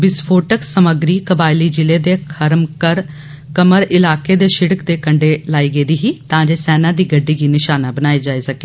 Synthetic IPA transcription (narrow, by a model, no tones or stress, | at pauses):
bɪspʰoːʈəksəməɡɾiːkəbaːɪliːd͡ʒɪleːd̪eːkʰəɾmkəɾ | kəməɾɪlaːkeːd̪eːʃɪɽəkd̪eːkəɳɖeːlaːiːɡəːd̪iːɦiːt̪ãːd͡ʒeːsɛːnãːd̪iːɡəɖːiːɡiːnɪʃaːnãːbənaːed͡ʒaːeːsəkeː